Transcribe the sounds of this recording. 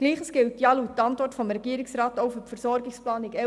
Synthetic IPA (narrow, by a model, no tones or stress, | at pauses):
ɡ̥liːχəsɡ̥ɪltjɑluːt̚tɑntʋɔtfɔmɾɛɡ̥iəɾɪksrɑːtoʊfypfəɾsɔɾɡɪksplɑːnɪkɛ